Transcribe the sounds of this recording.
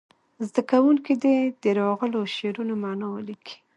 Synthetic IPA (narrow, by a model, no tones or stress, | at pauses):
zd̪akawuŋkid̪ed̪əɾɑɣəloʃeɾunomanɑwəlikʰi̥